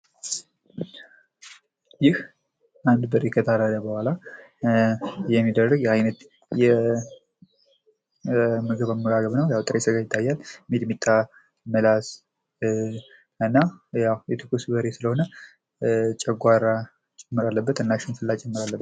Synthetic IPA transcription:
jɪh | ʔand̪bəɾekʰət̪ʰaɾələbəhʷala | jɛmːid̪ərːəɡjɛajnət̪ | jɛ | mɨɡɨβamːəɡaɡəβnəwjawt̪ʼɾʔesəɡajɪt̪ʰːajːalmid̪mit̪ʼːa | məlas | ɨnːajawjɛt̪ʰɨkusbəɾesɨləho̞nə | t͡ʃʼɛɡʷaɾa | t͡ʃʼɛmːɨɾalːəbːət̪ɨnːaʃɪnfɨlːat͡ʃʼɛmːɨɾalːəbːət̪

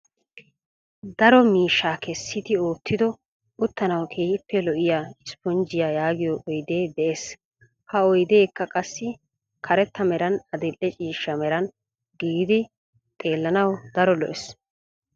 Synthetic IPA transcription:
d̪ɐɾɔmiːʃːaːkʰɛsːɪt̪ɪoːt̪ʰːɪd̪ɔ | ʊt̪ːɐnɐwkʰeːhɪpːɛlɔʔɪjaːɪspɔnd͡ʒɪjaːjaːɡɪjɔʔɔjd̪e̞ːd̪ɛʔes | hɐɔjd̪eːkːɐkʼɐsːɪ | kʰɐɾɛt̪ːɐmɛɾɐnɐd̪ɛlʔːɛt͡ʃʼiːʃːɐmɛɾɐn | ɡiːɡd̪ɪ | t̪ʼe̞ːlːɐnɐwd̪̥ɐɾɔlɔʔɛs

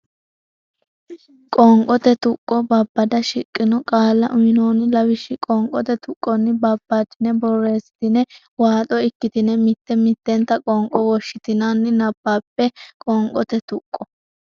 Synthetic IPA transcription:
kʼɔŋkʼɔt̪ɛt̪ʊkʼːɔbɐbːɐd̪ɐʃɪkʼːɪnɔkʼaːlːɐʔʊjɪnoːnɪlɐwɪʃːɪkʼɔŋkʼɔt̪ɛt̪ʊkʼːɔnːɪbɐbːat̪ɪnɛbɔrːe̞ːsɪ̥t̪ɪnɛ | waːt̪ʼɔɪkːɪt̪ɪnɛmɪt̪ːɛmɪt̪ːɛnt̪ːɐkʼɔŋkʼɔwɔʃːɪt̪ɪnanːɪnɐb̥ːaːpːɛkʼɔŋkʼɔt̪ɛt̪ʊkʼːɔ

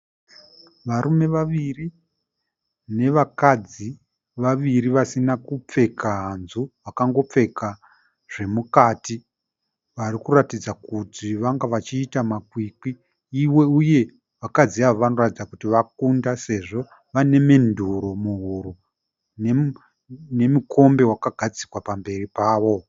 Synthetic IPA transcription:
ʋaɾume̞ʋaʋiri | ne̞ʋakad͡zi | ʋaʋiɾiʋasinakup͡fe̞kaɦanzuʋakaŋɡo̞p͡fe̞ka | ʐ̥e̞mukaːti | ʋarikuratid͡zakutiʋaŋɡaʋat͡ʃiːtamakwikiː | we̞uje̞ | ʋakad͡ziaʋoʋano̞ratid͡zakutiʋak̚undase̞ʐo̞ | ʋane̞me̞ndʱuɾomuɦuɾu | ne | ne̞mukʰo̞mbe̞wakaɡʱad͡zikwapambe̞ripaːʋo̞

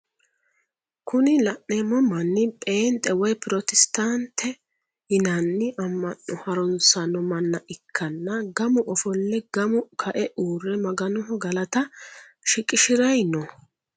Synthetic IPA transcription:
kʊnɪlɐʔnɛmɔmɐnːɪpʼeːnt̪ʼɛwɔjpʊɾɔt̪ɛst̪ant̪ʰːɛ | hɪnɐnːɪʔɐmːɐnːɔhɐɾɔnsɐnɔmɐnːɐʔɪkʰːɐnːɐɡɐmʊʔɔfɔlːɛɡɐmʊkʰɐʔɛʔuːrːɛmɐɡɐnɔɦɔɡɐlɐt̪ɐ | ʃɪkʼɪʃɪɾɐjnɔ

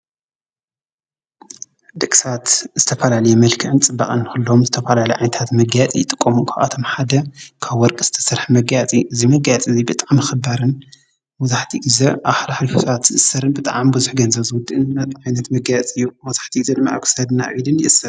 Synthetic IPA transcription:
d̪ɨkʼsɐat̪z̥ɨt̪ʰɐfɐlalɐjɛmɐlkʰɨʕɨnt͡sʼɨbːaχʼɨnːɨxɨlːomzɨt̪ʰɐfɐlalɐʕajnɐt̪ʰat̪mɐɡajt͡sʼijɪt̪ʼɨkʼːomuŋkʰʔa̰t̪ʰo̞mħad̪ɐkʰaβːɔɾkʼɨz̥ɨ̥t̪ʰɐ̥sɐɾħmɐɡajat͡sʼiʔɨzimɐɡajɐt͡sʼɨzibɨt̪ʼaʕmɨxɨbaɾɨn | mɐzaħt̪ʰiɡɨzɐʔaβħalaħɾifosɐβat̪ɨʔɨsɐɾɨnbɨt̪ʼaʕambuzuħɡɐnzɐβzɨwʊd̪ɨʔɨnnːɐt̪ʼʕajnɐt̪mɐɡajt͡sʼɨjːumɐzaħt̪ʰiɡɨzɐd̪ɨmːaʔa̰kʰsɐd̪ɨnːa̰ʔilɨnjɪʔɨsːɐɾ

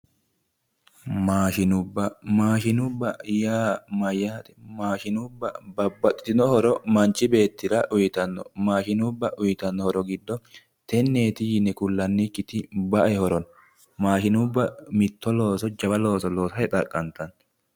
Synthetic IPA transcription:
maːʃɪnʊbːɐmaːʃɪnʊbːɐjaːmɐjːaːt̪ʼɛ̥maːʃɪnʊbːɐbɐbːɐt̪ʼːɪ̥t̪ɪnɔhɔɾɔmɐnt͡ʃːɪbe̞ːt̪ːɪɾɐʔʊjɪt̪ɐnːɔ̰maːʃɪnʊbːɐʔʊjɪt̪ɐnːɔhɔɾɔɡɪd̪ːɔ | t̪ɛnːeːt̪ɪjɪnɛkʊlːɐnːikːɪt̪ɪbɐʔɛhɔɾɔn | maːʃɪnʊbːɐmɪt̪ːɔloːsɔd͡ʒɐbɐlo̞ːsɔloːsɐjɛt̪ʼɐkʼːɐnt̪ɐn

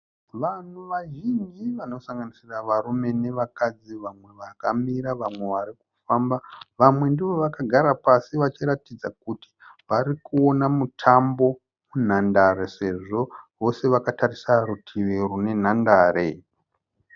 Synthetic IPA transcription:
ʋan̤uʋaʒind͡ʒiʋano̞saŋɡanisiraʋaɾume̞ne̞ʋakad͡ziʋamwe̞ʋakamiɾaʋamwe̞ʋaɾiku̥fambaʋamwe̞ndiʋo̞ʋakaɡʱaɾapasiʋat͡ʃiɾatid͡zakuti̥ʋaɾikuo̞namutʰambo̞ | mun̤andaɾese̞ʐo̞ʋo̞se̞ʋakatarisarutʰiʋerune̞n̤andaːre

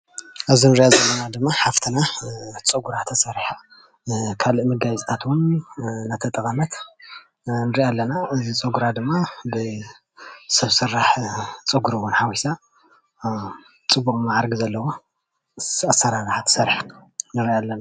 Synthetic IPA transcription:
ʔɨzinɨɾiʔazɐlːɐnad̪ɨmːaħaft̪ʰɨnat͡sʼɨɡuɾat̪ʰːɐsɐɾħa | kʰalɨʔmɨɡazit̪ʰat̪wunnat̪ʰɐt̪ʼɨkʼɐnɐt̪ | nɨɾiʔalːɐnaʔɨzit͡sʼɨɡuɾad̪ɨmːabɨ | sɐβsɨɾːaħt͡sʼɨɡuɾɨwunħawisa | t͡sʼɨbːukʼmaʕaɾɡizɐlːɐwo | asːɐɾaɾɨħat̪ʰɨ̥sɐɾħnɨɾiʔalːɐna

